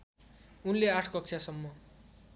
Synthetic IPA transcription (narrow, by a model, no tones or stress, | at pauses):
unleaʈʰkʌk̚t͡sʰjasʌmːʌ